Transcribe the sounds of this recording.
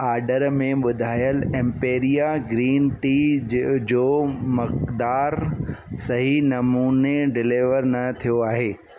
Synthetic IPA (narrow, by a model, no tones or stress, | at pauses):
aːɾɖəɾmẽɓʊd̪ʱaːjəlɛ̃mpeːɾijaɡɾiːnʈiːd͡ʑoːmɐkd̪aːɾsɐɦinɐmuːneɖɪlɪʋəɾnɐt̪ʰijoaːɦeː